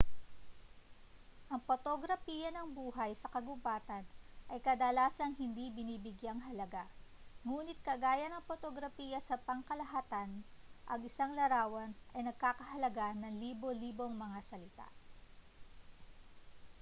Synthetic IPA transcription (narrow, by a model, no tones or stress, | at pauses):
ʔɐŋpot̪oɡɾɐfiːjɐnɐŋbuːɦɐjsɐkɐɡʊbaːt̪ɐnʔɐjkɐd̪ɐlaːsɐŋhɪnd̪ibɪniːbɪɡjaŋɦɐlɐɡaŋuːnɪt̪̚kɐɡaːjɐnɐŋpot̪oɡɾɐfiːjɐsɐpɐŋkɐlɐɦat̪anʔɐɡɪsaŋlɐɾaːwɐnʔɐjnɐɡ̚kaːkɐɦɐlɐɡanɐŋliːbo̞liːbo̞ŋmɐŋasɐlɪt̪a̰ʔ